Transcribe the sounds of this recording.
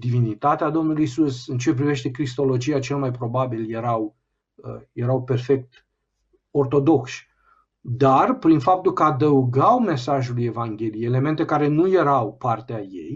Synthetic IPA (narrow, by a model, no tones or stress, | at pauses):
d̪ivinit̪at̪ead̪o̞mnuluisusɨnt͡ʃe̞p̬ɾive̞ʃt̪e̞kɾist̪o̞lo̞d͡ʒiat͡ʃe̞lmajpɾo̞babilje̞ɾaw | je̞ɾawpe̞rfe̞k̚t̪ | o̞rt̪o̞d̪o̞kʃ | d̪arpɾinfap̚t̪ulkəad̪əuɡawme̞saʒuluje̞vaŋɡʲe̞lijeele̞me̞nt̪e̞kaɾe̞nuje̞ɾawpart̪eajḛj